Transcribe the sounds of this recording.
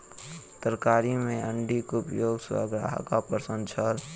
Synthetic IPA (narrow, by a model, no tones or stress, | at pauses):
t̪əɾkaːɾĩmẽəɳɖikupjoːɡswə̰ɡɾa̰ːɦkapəsə̃nt͡ʃʰəl